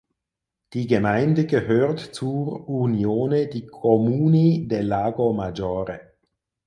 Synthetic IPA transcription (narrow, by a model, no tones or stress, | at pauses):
d̥iːɡəmaɪndəɡəhøːʁtt͡suunjoːnədiːkʰomuːnideːlaːɡomad͡ʒoːʁə